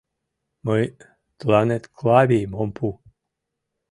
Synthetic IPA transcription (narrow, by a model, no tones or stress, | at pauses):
mɔj | t̪lanet̪kʰlaβʲimompʰu